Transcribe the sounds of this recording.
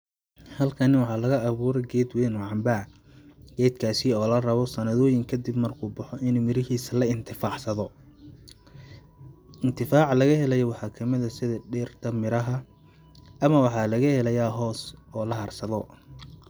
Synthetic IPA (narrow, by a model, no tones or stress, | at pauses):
hɐlkʰɐnɪwɑħɑːlɐɣɐʔɐβuːɾɛɡɛːd̪wɛːnwʕɑmba | ɡ̥ɛːd̪kʰaːsɪɔːlɐrɐβɔsɐnɐðɔːjɪŋkʰɐd̪ibmɐrkʰuːbʊħɔʔɪnuːmɪɾɪɦiːsɐlɐɪnt̪ʰɪfaːʕsɐðɔ | ɪnt̪ʰɪfaːʕlɐɣɐhɛlɛjɔwɑħɑːkʰɐmɪðɐsɪðɐɖɛrt̪ʰɐmɪɾɐɦɐ | ʔɐmɐwɑħɑːlɐɣɐhɛlɐjaːɦɔːsɔːlɐɦɐrsɐðɔ